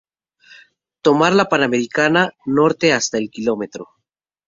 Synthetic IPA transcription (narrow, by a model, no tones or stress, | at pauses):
t̪o̞maɾlapanameɾikanano̞ɾt̪e̞ast̪aelkilo̞me̞t̪ɾo̞